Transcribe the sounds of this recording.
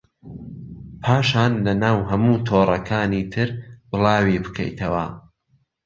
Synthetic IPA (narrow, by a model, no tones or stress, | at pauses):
pʰaːʃaːnlɐnaːwɦɐmuːt̪ʰoːrˤɐkʰaːniːt̪ʰɨɾbɨlˠɑːwibɨ̥kʰɐ̰jt̪ʰɐwɐ̰